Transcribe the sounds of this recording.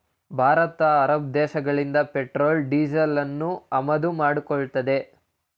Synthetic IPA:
bʱaːɾɐt̪ɐːɾɐb̚d̪ɛːʃɐɡɐɭind̪ɐpeʈɾoːlɖiːd͡ʒɐlɐnːuɐmɐd̪umaːɽukɔɭt̪ɐd̪e̞

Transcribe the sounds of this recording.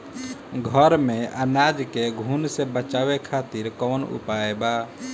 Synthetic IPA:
ɡʱəɾmẽʔənad͡ʒkeɡʱunsebət͡ʃaːʋekʰat̪iɾkɔːnṵpaeba

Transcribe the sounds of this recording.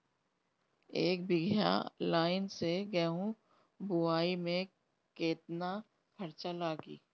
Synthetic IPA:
eːkbɪɡʱja̰laːɪnseɡɛɦũ | bʊaːimẽ | keːt̪na | kʰɐɾt͡ʃalaːɡḭː

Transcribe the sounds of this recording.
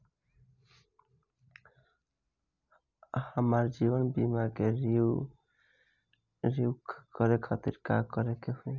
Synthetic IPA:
amaɾd͡ʑibonbimaɡeɾiu | ɾiukʰkɔɾekʰat̪iɾkakɔɾekeɦoj

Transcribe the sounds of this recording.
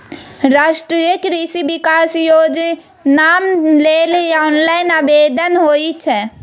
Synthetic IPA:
ɾaːʃʈɾijəkɾisibikasjod͡ʒ | namlelɔːnlaɪnabed̪ənɦoit͡ʃʰɛ

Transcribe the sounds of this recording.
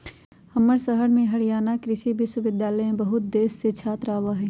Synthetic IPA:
hɐməɾsɐɦəɽmẽɦɐɽijaːnakɾɪʃibɪswəʋɪd̪jaːləjẽbɐɦʊt̪̚d̪eːsset͡ʃʰaːt̪ɾaːʋaɦɛː

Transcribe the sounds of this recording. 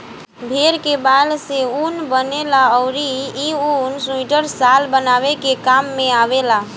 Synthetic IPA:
bʱeɾkebalseunbənelaɔʊɾiiunsũiʈəɾsalbənaβekekamːeaβela

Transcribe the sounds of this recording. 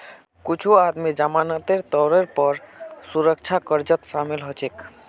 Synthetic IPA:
kut͡ʃʰuad̪mid͡ʒamanət̪eɾt̪ɔwɾeɾpɔɾsuɾək̚t͡ʃʰakəɾd͡ʒət̪ʃamilɦɔt͡ʃʰek

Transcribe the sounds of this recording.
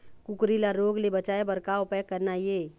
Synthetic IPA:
kʊkɾilaɾoːɡlebət͡ʃaːebɐɾkaːopɛkəɾnaje

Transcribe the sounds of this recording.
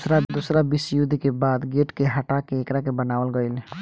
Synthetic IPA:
sɾad̪usɾabisjud̪ikebaːd̪ɡeʈkeɦəʈakeːkɾakebənaːʋəlɡəɪl

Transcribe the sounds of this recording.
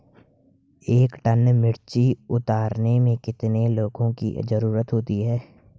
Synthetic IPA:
eːkʈənmɪɽt͡ʃiʊt̪aːɾnemẽkɪt̪neloːɡõkḭzəɾuːɾət̪ɦoːt̪iɦɛː

